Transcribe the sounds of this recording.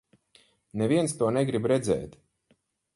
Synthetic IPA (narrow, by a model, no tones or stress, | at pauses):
neviɛnst̪uɔnɛɡɾibɾɛd̪zɛ̰ːt̪